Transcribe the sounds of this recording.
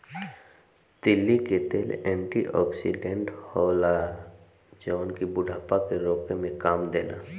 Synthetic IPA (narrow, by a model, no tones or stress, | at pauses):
d̪̥ɪlːiket̪eːlɛ̃ːɳʈiʔɔːksḭɖẽɳʈhɔːla | d͡ʒɔːnkibʊɖʱaːpakeɾoːkemẽkaːmd̪eːna̰ː